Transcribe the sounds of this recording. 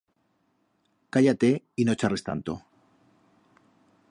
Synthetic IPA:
kaʝat̪e | ino̞t͡ʃare̞st̪a̰nt̪o

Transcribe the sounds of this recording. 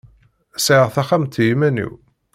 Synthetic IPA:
siʁθæχamt̪jimænḭw

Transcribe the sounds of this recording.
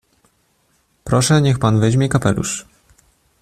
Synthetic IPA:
pɾɔʂɛɲɛxpanvɛʑmʲɛkapɛlṵʂ

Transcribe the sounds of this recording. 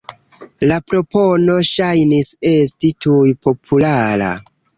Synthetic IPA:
lapɾo̞po̞no̞ʃajnisestitujpo̞pʰulaɾa̰

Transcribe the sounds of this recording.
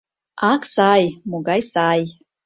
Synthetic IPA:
aksajmuɡajsaj

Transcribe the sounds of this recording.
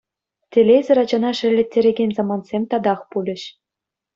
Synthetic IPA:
tʲelʲezʲɘ̆ɾɑd͡ʑɑnɑʂɘ̆lʲːɘ̆tʲːeɾʲeɡʲenʲzɑmɑnsʲemʲt̪ɑd̪ɑχpulʲɘ̆ɕ

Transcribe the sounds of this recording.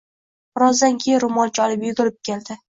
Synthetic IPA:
ʊɾɒzd̪ankʲʰejɪɾʊmɒlˠt͡ʃʰɒlɪpjʊɡʲɪɾɪp̚kʲʰe̞ld̪ɪ

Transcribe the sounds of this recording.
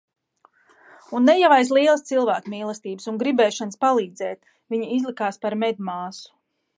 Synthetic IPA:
unːɛjavajs̬lˠiɛlˠəst̪silˠvæːkmiːlˠɛst̪iːbəsunɡɾibɛːʃanspalˠiːd̪zɛːt̪ | viɲiizlˠikaːspaɾmɛd̪ʲmaːsu̥

